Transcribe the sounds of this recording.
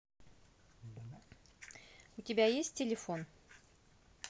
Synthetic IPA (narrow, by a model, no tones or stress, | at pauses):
ut̪ʲibʲæjesʲt̚ʲɪlʲɪfon